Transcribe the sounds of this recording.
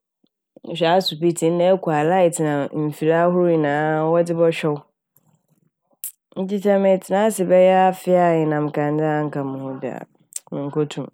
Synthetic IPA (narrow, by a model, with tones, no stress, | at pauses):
ɕᶣa˦su˨pi˦tʰĩ˨˦n̩˦nɛ̃˦ɛ˦kʰʷu˨a˨la˦ɪ˨tnã˨m̩˨fi˨ɾa˦ɦʊ˦ɾi˨nãː˨˦wɔ˦dɪ˦bɔ˦ɕᶣɛ˦wʊ˦ | n̩˦d͡ʑi˦tʰa˦mɛ̃˨tʰɪ˨nã˦sɪ˨bɛ˦jɛ˦a˦fɪ˦a˨ɲɪ˨nã˨m˨kʰã˨n˦dɪ̃˦a˨˦ŋ̩˨kʰa˨mʊ̃˨hʊ̃˦dɪ˨a̰˨ | mɪ̃˨ŋ̩˨kʰɔ˦tʰũ˨m